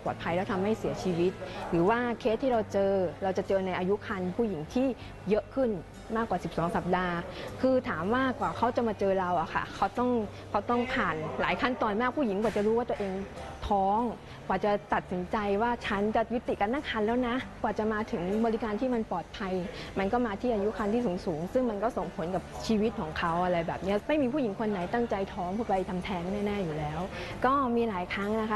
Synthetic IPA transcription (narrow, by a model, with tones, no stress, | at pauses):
pɔː˨˩t̪̚pʰa˧jlɛ˦˥wt̪ʰa˧mːa˥˩jsi˨˩˦ɐt͡ɕʰiː˧wi˦˥t̪̚ɾɯː˩˦waː˥˩kʰe˦˥t̪ʰːiː˥ɾa˧wt͡ɕɤː˧ɾa˧wt͡ɕa˨˩t͡ɕɤː˧na˧jʔaː˧ju˦˥kʰa˧npʰu˥˩ji˩˦ŋt̪ʰiː˥˩ | jɤ˦˥ʔkʰɯ˥˩n | maː˥˩kːwaː˨˩i˨˩p̚sɔː˩˦ŋsa˨˩p̚daː˧kʰɯː˧t̪ʰaː˩˦mwaː˥˩kwaː˨˩kʰa˦˥wt͡ɕa˨˩maː˧t͡ɕɤː˧ɾa˧wʔa˨˩kʰa̰˥˩kʰa˦˥wt̪ɔ˥˩ŋ | kʰa˦˥wt̪ɔ˥˩ŋpʰaː˨˩nlaː˩˦jkʰa˥˩nt̪ɔː˨˧nmaː˥˩k̚pʰuː˥˩ji˩˦ŋkwaː˨˩t͡ɕa˨˩ɾuː˦˥waː˥˩t̪u˧ʔeː˧ŋt̪ʰɔː˦˥ŋ | kwaː˨˩t͡ɕa˨˩t̪a˨˩t̪̚si˩˦nt͡ɕa˧jwaː˥˩t͡ɕʰa˦˥nt͡ɕa˨˩ju˦˥t̪i˨˩ʔka˧nːaː˥˩ŋkʰaː˧nlɛː˦˥wna˦˥kwaː˨˩t͡ɕa˨˩maː˧t̪ʰɯ˩˦ŋbɔː˧li˦˥kaː˧nt̪ʰiː˥˩ma˧npɔː˨˩t̪̚pʰa˧jma˧nk̬ɔː˥˩maː˧t̪ʰiː˥˩ʔaː˧ju˦˥kʰa˧nt̪ʰiː˥˩suː˩˦ŋsuː˩˦ŋsɯ˥˩ŋma˧nkɔː˥˩so˨˩ŋpʰo˩˦nka˨˩p̚t͡ɕʰiː˧wt̪̚kʰɔː˩˦ŋkʰa˦˥wʔa˧ɾa˧jbɛː˨˩p̚ni˦˥ɐ˩ma˥˩jmiː˧pʰuː˥˩ji˩˦ŋkʰo˧nːa˩˦jt̪a˥˩ŋt͡ɕa˧jt̪ʰɔː˦˥ŋpʰuː˥˩pa˧jt̪ʰa˧mt̪ʰɛː˦˥ŋnaː˥˩naː˥˩juː˨˩lɛː˦˥wkɔː˥˩miː˧laː˨˩˦jkʰɾa˦˥ŋna˦˥kʰa˦˥